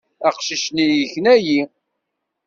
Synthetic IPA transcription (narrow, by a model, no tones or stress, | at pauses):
æqʃiʃnijəçnæji